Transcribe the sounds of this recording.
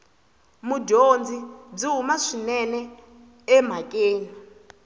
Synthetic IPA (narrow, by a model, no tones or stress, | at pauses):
mudond͡zid͡ziɦumaʂinɛnɛ | ɛm̤akʼeːla